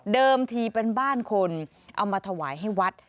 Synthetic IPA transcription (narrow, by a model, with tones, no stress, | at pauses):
dɤː˧mt̪ʰiː˧pe˧nbaː˥˩nkʰo˧n | ʔa̰˧wmaː˧t̪ʰa˧wa̰ː˩˦jɦa˥˩jwa˦˥t̪̚